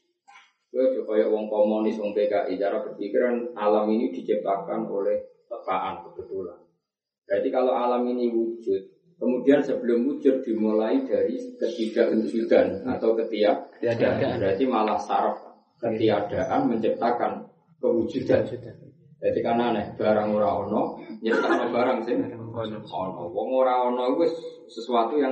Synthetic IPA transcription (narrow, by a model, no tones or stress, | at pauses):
bikɔjɔʔwɔŋkɔmonɪsɔŋpekaʔit͡ʃaɾab̥ərpikɪɾanalaminid̪̥i̤t͡ʃəp̚t̪akano̰lɛhtəpaʔankəb̥ət̪ulan | b̥ɾat̪ikaloʔalaminiwud͡ʒʊt̪̚ | kəmudiansəb̥ə̤lʊmːut͡ʃʊr̚d̪̥i̤mulaid̥aɾikət̪id̥aʔwud͡ʒud̪̥ana̰t̪awkət̪iad̪anbɾat̪imalahsaɾəf | kət̪iad̥a̤ʔanməɲt͡ʃəp̚t̪akan | kəwu̥d͡ʒ̥ud̪an | dat̪ikananɛhb̥a̤ɾaŋoɾaɔnɔɲət̪anɔbaɾaŋsɪm | ɔ̰nɔ̰wɔŋoɾaɔnɔkʊs | səsuat̪ujaŋ